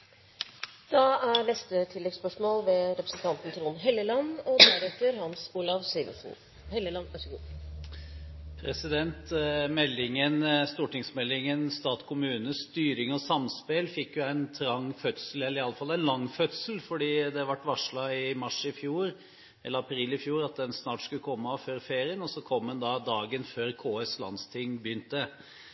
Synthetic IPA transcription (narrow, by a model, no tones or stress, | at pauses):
d̪̥ɑæɾɭɛst̪ət̪ʰɪlːɛɡspœʂmoːlʋɛɾɛpɾəsn̩t̪ʰɑnt̪n̩t̪ʰɾuːnɦɛlːəlɑnːɔd̪æɾɛt̪ːəɾhɑnsuːlɑʋsiːʋə̰sn̩ | hɛlːəlɑnɑɡṵː | pʰɾɛsɪd̪ɛnt̪mɛlːɪŋənst̪uːʈɪŋsmɛlːɪŋənst̪ɑːt̪kʰʊmʉːnəst̪yːɾɪŋɔsɑmspelfɪkːjʊæɪnt̪ʰɾɑŋːfœt̪səlɛlːəɾɪɑlːəfɑlːæɪnlɑŋːfœt̪səl̩fɔɖiːd̪ɛʋɑʈːʋɑʂɭɑɪmɑʂɪfjuːɾ | ʔɛ̰lːəɾɑpʰɾiːlɪfjuːɾɑt̪̚d̪ɛnsnɑːʈskʉlːəkʰɔmːəføːɾfeːɾɪənɔsɔkʰɔmd̪ɛnd̪ɑd̪ɑːɡənføːɾkʰoːɛslɑ̰nst̪ʰɪŋːbjʏnt̪ə